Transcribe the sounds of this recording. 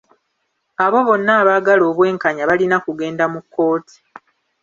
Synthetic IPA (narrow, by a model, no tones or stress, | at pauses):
aβo̞βo̞nːaːβaɡalo̞ːβwe̞ːŋkaɲaβalinakuɡe̞ːndamukːo̞ːtʰi̥